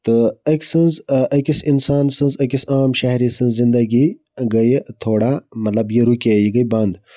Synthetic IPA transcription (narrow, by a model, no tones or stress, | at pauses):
t̪ɨɐkʲsɨnzʔɐkisinsaːnsɨ̃nzɐkʲisaːmʃɐɦɾisɨ̃nzzind̪ɐɡi | ɡɐjt̪ʰoːɽamɐt̪lɐbjiɾukʲejiɡɐjbɐnd̪